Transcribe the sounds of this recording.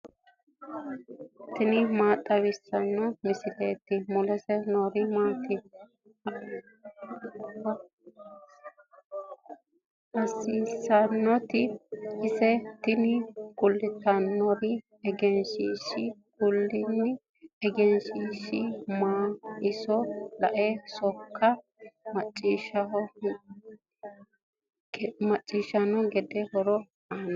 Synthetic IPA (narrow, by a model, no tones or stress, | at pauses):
t̪ɪnɪmaːt̪ʼɐwɪsːɐnːɔmɪsɪleːt̪ːɪmʊlɛsɛnoɾɪmaːt̪ɪ | ɐsiːsɐnːɔt̪ɪɪsɛt̪ɪnɪkʊlːɪt̪ːɐnːɔɾɪ | ɛɡɛnʃiːʃɪkʊlːɪnːɪ | ɛɡɛnʃiːʃɪmaːɪsɔlɐʔɛsɔkʰːɐ | mɐt͡ʃʼːiʃɐ | mɐt͡ʃʼːiːʃɐnɔɡɛd̪ɛhɔɾɔ | anɐ